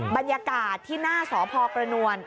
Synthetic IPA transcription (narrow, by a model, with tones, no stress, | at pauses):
ba˧njaː˧kaː˨˩t̪ʰːiː˥˩naː˥˩sɔː˩˦pʰɔː˧kɾa˧nu˧ən